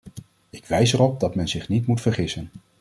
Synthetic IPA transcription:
ɪkʋɛjsɛrɔp̚dɑtmɛnzɪχnitmutfəɹχɪsən

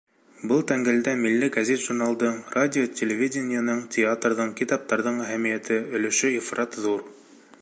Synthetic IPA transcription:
bɤlˠt̪æŋɡɘld̪æmilːɘɡɐzʲet̪ʒ̥urnɑlˠd̪ɤɴradʲɪotʲʰelʲɪvʲidʲɪnʲɪjanɤɴtʲɪat̪rðɤɴkit̪ɑp̚t̪ɑɾðɤɴæɦæmijæt̪ɘɵ̆lɘ̆ʃɵifrʔat̪ðuɾ

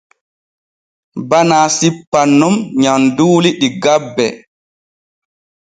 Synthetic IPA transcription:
banaːsipːanːumɲanduːliɗiɡabːɛ

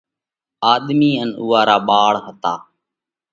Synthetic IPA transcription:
aːɗ̪miːənṵːaːɾaːɓaːɽɦət̪aː

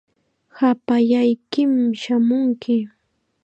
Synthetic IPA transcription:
hapaʎajkɪmʃamʊŋkɪ

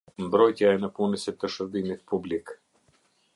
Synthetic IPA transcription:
mbɾɔjt̪jaɛnəpunəsit̪əʃəɾd̪imit̪publik

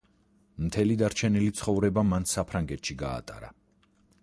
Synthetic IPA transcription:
mt̪ʰɛlid̪aɾt͡ʃʰɛnilit̪sʰχɔvɾɛbamansapʰɾaŋɡɛt̪ʃiɡa̰ːt̪ʼa̰ɾa̰

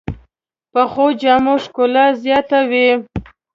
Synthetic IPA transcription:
pəxod͡ʒɑmoʂkolazjɑt̪awi

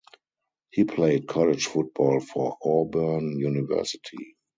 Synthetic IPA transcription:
hiːpʰleɪd̚kʰɔlɪd͡ʒfʊt̚b̥ɔlfɔɔbɜ˞njunɪvɜ̰˞sɪtʰḭ

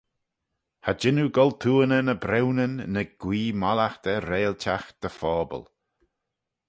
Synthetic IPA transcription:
had͡ʒɪnuɡɔlt̪ʰuːənənəbɾɛwnənːəɡ̥wiːmalaxt̪əɾeːltʰaxd̪̥əfɔːbə̰l

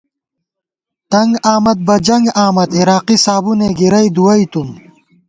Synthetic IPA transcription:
t̪ɐŋɡaːmɐd̪̚bɐd͡ʑɐŋɡaːmɐt̪iɾaːqisaːbuneːɡiɾɐjd̪uɐit̪um

